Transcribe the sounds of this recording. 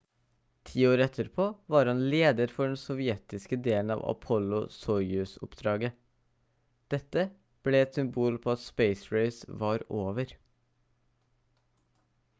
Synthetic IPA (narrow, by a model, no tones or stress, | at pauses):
t̪ʰiːoːɾɛt̪ʰəɾpʰoːʋɑːɾhɑnleːd̪əɾfɔɖɛnsɔʋɪɛt̪ɪskəd̪eːln̩ɑ̰ːʋɑ̰pʰɔlʊsɔʏʉsʊ̰pd̪ɾɑːɡə | d̪̥ɛt̪ə | b̥leːɛt̪sʏmbuːlpʰoːɑt̪speɪsɹeɪsʋɑːɾoːʋəɾ